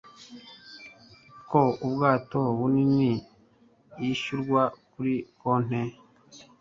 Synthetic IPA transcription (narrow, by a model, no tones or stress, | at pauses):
koubɡaːtoβunini | jiʃuɾɡwakuɾikoːn̥e